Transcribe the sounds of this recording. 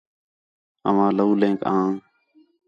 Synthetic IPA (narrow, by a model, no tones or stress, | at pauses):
ə̰ʋãːləuːlẽːkãː